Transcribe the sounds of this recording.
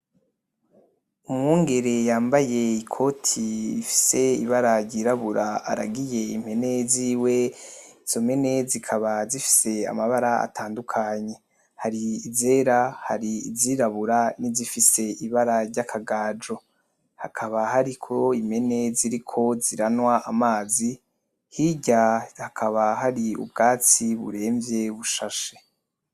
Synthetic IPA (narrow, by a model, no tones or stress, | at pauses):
umŋuːŋɡe̞ɾe̞jaːmbaje̞ikʰo̞tʰiifi̥se̞ḭβaɾaɾɟiɾaβuɾaa̰ɾaɡije̞im̥e̞ne̞ziːwe̞iz̥o̞me̞ne̞zikʰaβazifi̥se̞a̰maβaɾaa̰tʰaːndukʰaɲe̞ | haɾiːze̞ɾaha̰ɾiːziːɾaβuɾanizifise̞iβaɾaɾɟakʰaɡaːd͡ʒo̞ | hakʰaβahaɾikʰo̞im̥e̞ne̞ziɾikʰo̞ziɾanwaʔamaːzi | hiɟahakʰaβaɦaɾiṵb̚ɡaːt͡siβṵɾe̞ːɱvje̞βuʃaʃe